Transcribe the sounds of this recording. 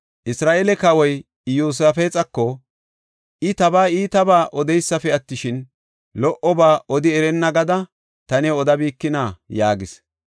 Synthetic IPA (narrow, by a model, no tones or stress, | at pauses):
ʔɪsɾaːʔelɛkɐwɔj | juːs̬ɐfɛːt͡sʼɐkːɔ | ʔɪt̪ɐbaːiːt̪ɐbaːʔɔd̪ɛjsːɐfɛɐt̪ːɪʃɪn | lɔʔɔbaːʔɔd̪ɪɛɾɛnːɐɡɐd̪ɐ | t̪ɐnɛɔd̪ɐbiːkːɪnaːjaːɡɪs